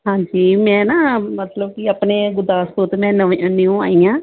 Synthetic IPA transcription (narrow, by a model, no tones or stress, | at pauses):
ɦãːɲd͡ʒiːmɛ̃ːnaːmət̪ləbkiəpneːɡʊd̪aːst̪õːt̪emɛ̃ːnəʋẽə̃nĩõːa̰ːijãː